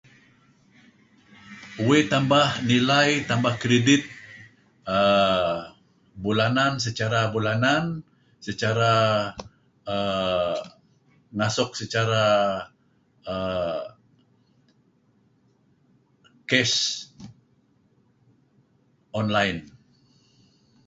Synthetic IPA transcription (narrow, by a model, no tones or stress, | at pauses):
uet̪ambahnilajt̪ambahkɾedɪt̪̚ | ə | bulanansət͡ʃaɾabulanan | sət͡ʃaɾa | ə | ŋasʊk̚sət͡ʃaɾa | ə | kɛs | ɔnlajn